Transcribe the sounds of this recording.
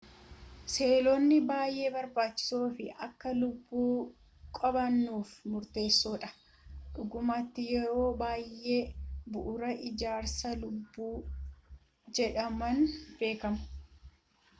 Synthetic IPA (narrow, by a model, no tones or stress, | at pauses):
se̞ːloːnːɪbaːjʔe̞ːbɐɾbaːt͡ʃːɪ̥soːfɪʔɐ̰kːɐlʊbːuː | kʼɐbɐnːuːfmʊɾt̪e̞ːsːoːᶑɐ̥ | ᶑʊɡʊmat̪ːɪjɛɾo̞ːbaːjʔːe̞ːbʊʔʊɾɐʔɪd͡ʒaːɾsɐlʊbːuː | d͡ʒɛᶑɐmɐnb̥e̞ːkɐmʊ̥